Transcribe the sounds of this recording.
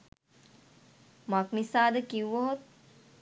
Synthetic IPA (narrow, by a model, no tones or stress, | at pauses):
makmisaːd̪əkiwʋoɦot̪̚